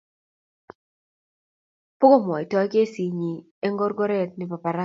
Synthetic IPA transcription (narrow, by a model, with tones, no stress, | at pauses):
pʊ˦ɡo˦m˨ɔ˨ɪ˨tɔ˦ke˦si˨ɲi˨ | e˦ŋɡo˦ɾɡɔ˦ɾɛ˦t̚nɪ˨˦pa˨pa˨ɾa˦